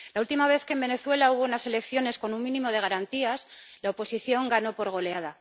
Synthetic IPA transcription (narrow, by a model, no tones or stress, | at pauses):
lault̪imaβ̞e̞θkembe̞ne̞θwe̞lauβunase̞le̞kθjo̞ne̞sko̞nuŋmĩnĩmo̞ð̞e̞ɣ̞aɾant̪iaslaopo̞siθjo̞ŋɡano̞po̞ɾɣ̞o̞le̞að̞a